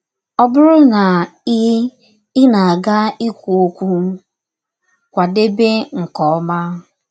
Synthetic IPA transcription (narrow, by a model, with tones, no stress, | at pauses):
ɔ˦bʊ˦ɾʊ˦na˨ɪ˦ | ɪ˦na˨a˨ɡa˦i˦kʷu˨o˦kʷu˦ | kʷa˨de˦be˦ŋ̩˨kɔ˨ɔ˦ma˦